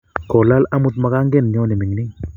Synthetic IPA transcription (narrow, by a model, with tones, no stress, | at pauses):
kɔ˨la˦la˦mu˦˨t̪ma˨ka˦ŋɡɛ˦nɲɔ˦nɛ˨mi˨ŋni˦